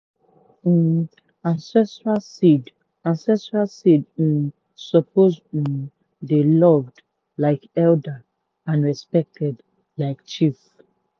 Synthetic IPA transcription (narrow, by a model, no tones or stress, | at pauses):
ãnsɛstɹalsid | ãnsɛstɹalsid̩ | sɔp̚ʰoz̩ | delɔvd | laɪkɛldə | ãnɹɛspɛk̚tʰɛd | laɪkt͡ʃif